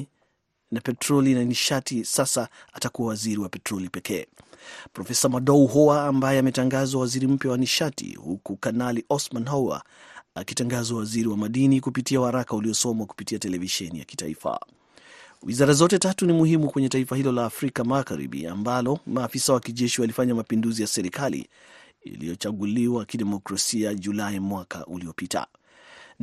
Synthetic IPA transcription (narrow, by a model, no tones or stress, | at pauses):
napɛtɾɔlinaniʃatisasaatakuwawaziɾiwapɛtɾɔlipɛkɛː | pɾɔfɛsamaɗɔuɦɔaːmbajɛamɛtaŋɡazwawaziɾim̩pjawaniʃatḭhukukanaliʔɔsmanɦaa̰ | akitaŋɡazawaziɾiwamaɗinikupitiawhaɾakauliɔsɔmwaku̥pitiatɛlɛviʃɛnija̰ki̥ta̰ḭfa̰ | wizaɾazɔtɛtatunimuhimukwɛɲɛtaifahilɔlaːfɾikamaɣaɾḭɓḭa̰mbalɔmaːfisawakiʄɛʃiwalifaɲamapinduzijasɛɾikalḭ | ḭlḭjɔt͡ʃaɠuliwakiɗɛmɔkɾasiaʄulaimwaka̰ʔuliɔpita̰